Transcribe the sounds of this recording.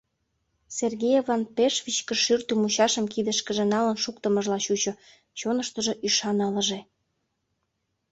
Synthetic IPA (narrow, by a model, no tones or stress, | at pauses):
serɣejevɑnpeʃvʲit͡ɕkə̆ʃyrt̪ymuɕɑʃəmkid̪əʃkəʒĕnɑlənʃuk̚t̪əməʒlɑɕut͡ɕŏ | t͡ɕonəʃt̪əʒeʔyʃɑnələʒe